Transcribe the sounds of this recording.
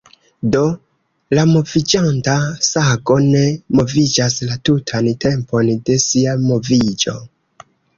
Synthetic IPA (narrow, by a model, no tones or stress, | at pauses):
do̞ | lamo̞vid͡ʒantasaɡo̞ne̞mo̞vid͡ʒaslatutʰante̞mpo̞nde̞siamo̞vid͡ʒo̞̰